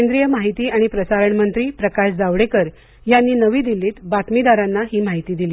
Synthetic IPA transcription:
kend̪ɾijəmaɦit̪iːaɽ̃ipɾəsaɾəɳmənt̪ɾiːpɾəkaɕd͡zaʋɽekəɾ | janːiːnəʋiːd̪iliːt̪bat̪mid̪aɾanːaɦiːmaɦit̪iːd̪iliː

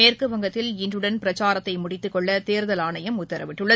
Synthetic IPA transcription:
eːrkɯʋɐŋɡɐt̪ːɪlɪndrɯɽɐnpɪɾɐt͡ʃːaːɾɐt̪ːɐɪmʊɽɪt̪ːɯkːɔɭːɐt̪eːɾðɐlaːnɐjɐmʊt̪ːɐɾɐʋɪʈːɯɭːɐ

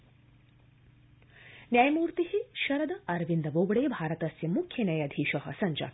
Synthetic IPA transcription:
njaːjɐmuːɾt̪iɦiʃɐɾɐd̪ɐɐɾʋind̪ɐʋoːɡɐɽejɐbʱaːɾɐt̪ɐsjɐmukʰjɐnɐjɐd̪ʱiːʃɐɦɐ̰sɐɲd͡ʒɐ̰

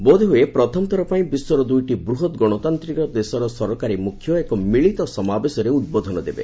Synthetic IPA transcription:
bod̪ʱeɦujepɾɔt̪ʰɔmɔt̪ʰɔɾɔpaĩbiswɔɾɔd̪ujʈibɾuɦɔt̪ɡɔɽ̃ɔt̪ant̪ɾikɔd̪esɔɾɔsɔɾɔkaɾimukʰːjɔekɔmiɭit̪ɔsɔmabesɔɾeud̪̚bɔd̪ʱɔnɔd̪ebḛ

